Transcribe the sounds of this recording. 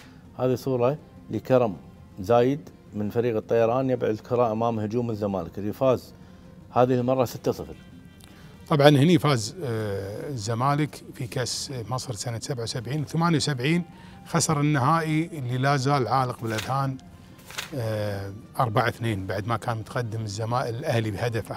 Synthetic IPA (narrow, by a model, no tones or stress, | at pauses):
haːðisuːɾˤɑ | ləkɑɾˤɑm | zaːjɪd̪ | mənfaɾiːɣɨt̪ˤːɑjɑɾˤɑːnjɪbʕʊd̪lkʊɾˤɑːʔamaːmhʊd͡ʒuːmɪzːama̰ːləklifaːz | haːðilmɑrˤːɑsɪt̪ːat̪ˤɨfl | t̪ˤɑbʕɑnhɪnijfaːz | zːamaːləkfikasmɑsˤɾsanasabʕawsabʕiːnwθamaːnjawsabʕiːn | xasɑɾˤɪnːahaːʔiɪlːilaːzaːlʕaːləqbɪlʔaðhaːn | ʔɑɾˤbaʕaθneːnbaʕd̪makaːnmʊt̪qad̪ːɪməzːamaːʔɪlʔahlibhad̪af